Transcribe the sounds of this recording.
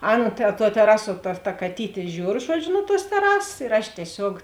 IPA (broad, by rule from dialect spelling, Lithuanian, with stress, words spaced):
ˈɑːˌnɐ tɐ tuɔ tʲɛˈrɑːsuɔ tɐ tɐ kɐˈtʲiːtʲeː ˈʒʲuːr ˈʒuɔd͡ʒʲʊ nʊ tuɔs tʲɛˈrɑːsɐs ɪr ɐʃ tʲiɛˈsʲoːk